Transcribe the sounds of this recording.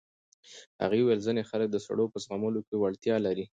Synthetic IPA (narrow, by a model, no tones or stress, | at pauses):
ha̰ɣewəlzənexalək̚d̪əsa̰ɽopəsɣaməlokewaɽt̪jɑlaɾi